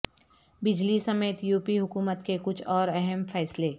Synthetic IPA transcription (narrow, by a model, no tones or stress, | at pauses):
bɪd͡ʒlisɐmeːt̪juːpiɦʊkuːmət̪kekʊt͡ʃʰɔːɾɛɦɛmfʰɛːsle